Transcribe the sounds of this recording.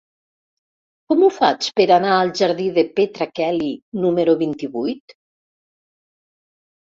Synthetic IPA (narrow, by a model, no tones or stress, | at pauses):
kɔmufat͡speɾanaəlˠʒaɾðiðepet̪ɾakɛlinumeɾuβint̪iβujt̪